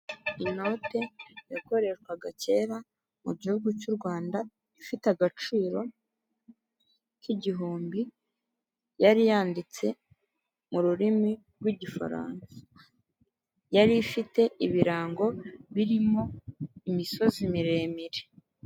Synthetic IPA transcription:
ino̞ːte̞jako̞ɾe̞ʃkwaɡace̞ːɾa | muɟihuɡucuːɾɡwaːnda | ifiteaɡat͡ʃiːɾo̞ | kiɟiɦuːmbi | jaɾijaːndit͡se̞ | muɾuɾimi | ɾɡwiɟifa̰ɾa̰ːnsḁ | jaɾifite̞ʔiβiɾaːŋɡo̞βiɾimo̞imiso̞zimiɾe̞ːmiɾe

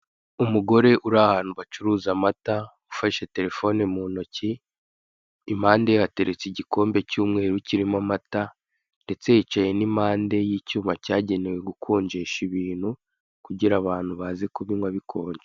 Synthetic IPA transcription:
umuɡo̞ɾe̞ʔuɾahaːn̥huβat͡ʃuɾuːzamata | ufaʃe̞te̞ɾe̞fo̞nemuːno̞ci | maːndehate̞ɾet͡siɟiko̞ːmbe̞cuːmŋe̞ːɾuciɾimamata | nde̞t͡se̞jit͡ʃaje̞nimaːnde̞jiːcuːmacaːɟe̞ne̞we̞ɡukʰuːɲd͡ʒeʃiβiːn̥hu | kuɟiɾaβaːn̥huβazekuβiŋwaβikʰo̞ːɲd͡ʒe

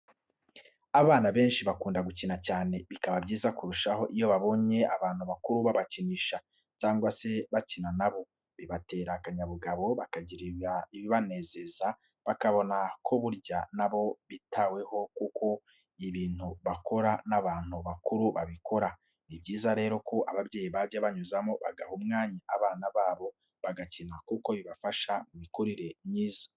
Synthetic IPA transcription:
aβaːnaβe̞ːnʃiβakuːndaɡucinacaːne̞βikaβabɟiːzakuɾuʃaho̞ʔijo̞βaβo̞ɲe̞aβaːn̥huβakuɾuβaβaciniːʃa | caːŋɡwase̞βacinanaβo̞ | βiβate̞ːɾakaɲaβuɡaβo̞βakaɟiɾiβaiβiβane̞ːze̞za | βakaβo̞nakʰo̞βuɾɟanaβo̞βitawe̞ho̞kukʰo̞ | iβiːn̥huβako̞ɾanaβaːn̥huβakuɾuβaβiko̞ɾa | nibɟiːzaɾe̞ːɾo̞koʔaβabɟeːjiβaɟaβaɲuzamoβa̰ɡahumŋaːɲaʔaβaːnaβaːβo̞ | βaɡacinakuko̞βiβafaʃamumikuɾiɾe̞mɲiːzḁ

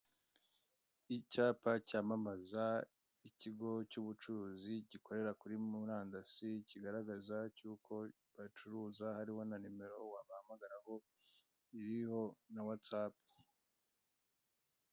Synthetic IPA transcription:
icaːpacaːmamaza | iciɡo̞cuβut͡ʃuɾuːziɟiko̞ɾe̞ɾakuɾimuɾaːndasiciɡaɾaɡazacuːkʰo̞ | βat͡ʃuɾuːzahaɾiho̞nanime̞ɾo̞waβahamaɡaɾaho̞ | iɾiho̞nawat͡saːpi̥

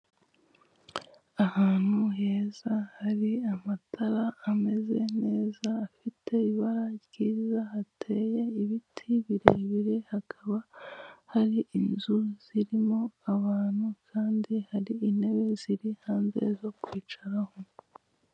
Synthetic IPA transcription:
ahaːn̥huɦe̞ːzahaɾiamatʰaɾaːme̞zene̞ːzaːfitʰe̞βiβaɾaɡ̥iːzahatʰe̞ːje̞iβitʰiβiɾeβiɾe̞hakʰaβahaɾiʔinzuz̥iɾimo̞aβaːn̥hukʰaːndihaɾiːne̞βe̞ziɾihaːnzḛzo̞kwiːt͡ʃaɾaho̞

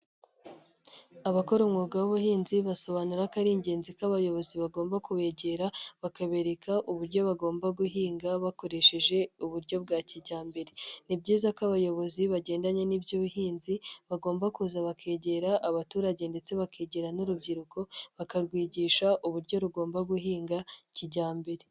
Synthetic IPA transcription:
aβako̞ɾomŋuːɡawoβuhiːnziβaso̞βanuɾakaɾiːɲɟe̞ːnzikaβajo̞βo̞ziβaɡoːmbakuβe̞ːɟe̞ɾaβakaβe̞ɾekʰaʔuβuɾɟo̞βaɡo̞ːmbaɡuɦiːŋɡaβako̞ɾe̞ʃe̞ʒe̞uβuɾɟo̞bɡaːciɟaːmbe̞ɾenibɟiːzakoaβajo̞βo̞ziβaɟeːndaɲe̞nibjoβuɦiːnziβaɡo̞ːmbakuzaβakʰe̞ːɟe̞ɾaʔːβatuːɾaɟe̞nde̞t͡se̞βakʰeːɟe̞ɾanuɾubɟiɾuko̞βakaɾɡwiːɟiːʃaʔuβuɾɟo̞ɾuɡo̞ːmbaɡuhiːŋɡaciɟaːmbe̞ɾe

